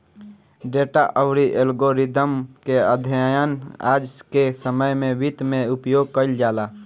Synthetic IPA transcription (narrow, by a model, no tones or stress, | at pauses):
ɖeːʈa̰ʔəwɾiʔelɡoɾid̪əmkeəd̪ʱjəna̰ːd͡ʒkesəməjmẽʋit̪mẽʊpjoːɡ̚kəɪld͡ʒaːlaː